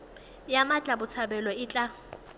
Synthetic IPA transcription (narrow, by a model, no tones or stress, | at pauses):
jamat͡ɬʼabʊt͡sʰabɛlɔɪt͡ɬʼa